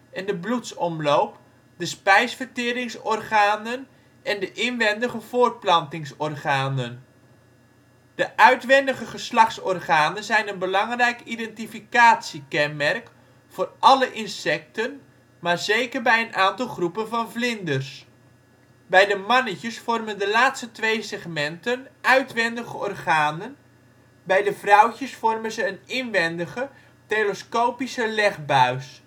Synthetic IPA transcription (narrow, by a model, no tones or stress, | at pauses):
ɛndəblutsɔmlowp | dəspɛjsfərtɪːɾɪŋsɔrχaːnən | ʔɛndəʔɪnʋɛndəχəv̥ʊːrt̚plɑntɪŋsɔrχaːnən | d̥əʔœɥtʋɛndəχəχəslɑχtsɔrχaːnənzɛjnənbəlɑŋrɛjkidɛntifikaːtsikɛnmɛrk | fʊːrʔɑləʔɪnsɛk̚tən | maːrzejkərbɛjənʔaːntɑlˠχrupənvɑnvlɪndərs | bɛjdəmɑnəcəsfɔrməndəlaːtstətʋejsɛχmɛntənœɥtʋɛndəɣəɔrχaːnən | bɛjdəvrʌwcəsfɔrmənzəːnɪnʋɛndəɣə | tejləskoːwpisəlɛχbœɥs